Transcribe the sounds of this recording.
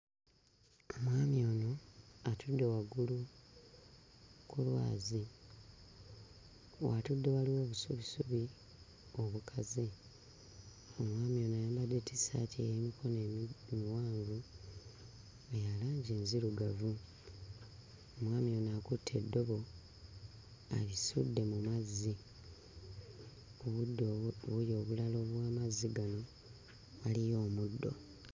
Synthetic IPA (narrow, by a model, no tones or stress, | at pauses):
omwaːmio̞ːno̞atʰudːe̞waɡulu | kulwa̰ːzi | watudːe̞waliwo̞ːβusuβisuβi | o̞βukʰazi | omwaːmio̞ːnoajaːmbade̞ti̥sa̰ːtʰieimikʰonemiwaːɱɡu | ejalaːɲɟeːnziɾuɡavu | omwaːmio̞naːkutʰːe̞dːo̞βo̞ | a̰lisṵdːe̞mumazːi | oβudːoβujo̞ːβulalo̞βwaːmaziɡano̞ | walijo̞ːmudːo̞̰